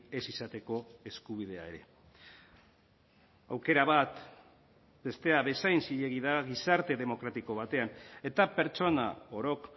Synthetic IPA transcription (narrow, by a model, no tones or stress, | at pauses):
e̞sisat̪e̞ko̞e̞skuβ̞ið̞e̞a̰e̞ɾe̞ | awke̞ɾaβat̪ | be̞st̪e̞aβe̞sajnsiʎe̞ɣiðaɣisaɾt̪e̞ðe̞mo̞kɾat̪iko̞β̞at̪e̞ane̞t̪ape̞ɾt͡ʃo̞na̰o̞ɾo̞k